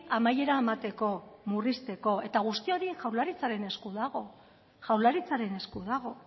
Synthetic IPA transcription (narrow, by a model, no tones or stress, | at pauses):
amaje̞ɾaemat̪e̞ko̞murist̪e̞ko̞e̞t̪aɣ̞ust̪io̞ɾiʝawlaɾit͡saɾe̞ne̞skuðaɣ̞o̞ | ʝawlaɾit͡saɾe̞ne̞skuðaɣ̞o̞